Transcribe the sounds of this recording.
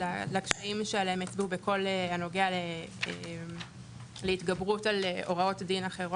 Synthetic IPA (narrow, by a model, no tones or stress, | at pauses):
lalakʃaimʃealeemet͡sbubeko̞leano̞ɡeale | leitɡabʁutaleʔo̞ʁao̞tdinaχe̞ʁo